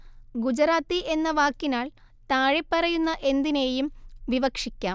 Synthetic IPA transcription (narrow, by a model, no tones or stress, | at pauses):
ɡud͡ʑɐɾaːt̪ːiʔe̞nːɐʋaːkːinaːɭ | t̪aːɻepːɐrɐjunːɐʔe̞nd̪ine̞ːjumʋiʋɐkʂikʲːaːm